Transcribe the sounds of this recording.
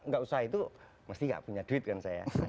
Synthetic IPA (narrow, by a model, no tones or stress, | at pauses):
ŋɡaʔusaɦait̪u | məst̪iŋɡa̰ʔpuɲaduɪt̪̚kansaja̰